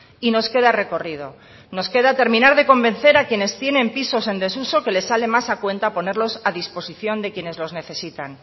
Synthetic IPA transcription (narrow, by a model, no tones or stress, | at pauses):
ino̞ske̞ðare̞ko̞rið̞o̞ | no̞ske̞ðat̪e̞ɾmĩnaɾðe̞ko̞mbẽ̞nθe̞ɾakje̞ne̞st̪je̞nẽ̞mpiso̞se̞nd̪e̞suso̞ke̞le̞sale̞masakwe̞nt̪apo̞ne̞ɾlo̞saðispo̞siθjo̞nd̪e̞kje̞ne̞zlo̞zne̞θe̞sit̪an